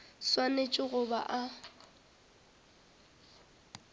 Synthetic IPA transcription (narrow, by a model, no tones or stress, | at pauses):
swanet͡ʃʼɪɣʊba̰ʔa